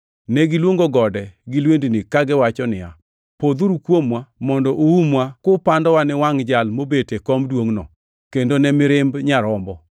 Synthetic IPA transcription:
nɛɡɪlwoŋɡoɡɔdɛɡɪlwendinɪkaɡɪwat͡ʃɔnɪja̰ | pod̪uɾukwomwamɔndɔʔoumwakopandɔwanɪwaŋd͡ʒalmobetekɔmdwoŋnɔ̰ | kendonɛmɪɾɪmbɲaɾɔmbɔ

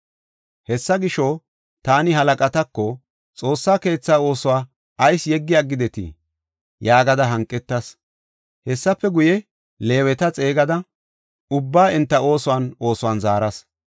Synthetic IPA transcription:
hɛsːɐɡɪʃɔ | t̪aːnɪɦɐlɐkʼɐt̪ɐkːɔ | t͡sʼo̞ːsːaːke̞ːt͡sːaːo̞ːsʊwaː | ɐjsjɛɡːɪjaːɡɪd̪ɛt̪ɪ̰ | jaːɡɐd̪ɐɦɐŋkʼːɛt̪ːɐs | hɛsːɐpːɛɡʊjɛ | le̞ːwɛt̪ɐt͡sʼe̞ːɡɐd̪ɐ | ʊbːaːʔɪnt̪ːɐo̞ːsʊwano̞ːsʊwaːnzaːɾɐs

